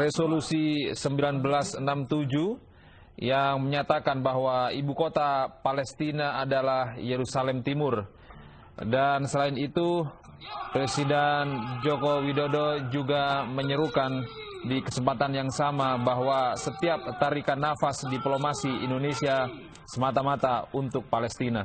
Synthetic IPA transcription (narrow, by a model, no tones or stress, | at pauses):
resolusisəmbilanbəlasənamt̪ud͡ʒu | jaŋməɲat̪akanbaɦwaibukot̪apalɛst̪inaːdalahjeɾusalɛmt̪imʊr | dansəlaɪnit̪u | pɾɛsidɛnd͡ʒokowidodod͡ʒuɡaməɲəɾukan | dikəsəmpat̪anjaŋsamabaɦwasət̪iap̚t̪aɾikanafasdiplomasiḭndonesia | səmat̪amat̪aunt̪ʊk̚palɛst̪ina